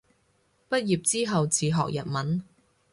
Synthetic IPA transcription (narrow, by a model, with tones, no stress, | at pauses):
pɐ˥t̚jiː˨p̚t͡siː˥ɦɐ˨wt͡siː˨ɦɔ̰ː˨k̚jɐ̰˨t̚mɐ˨˥n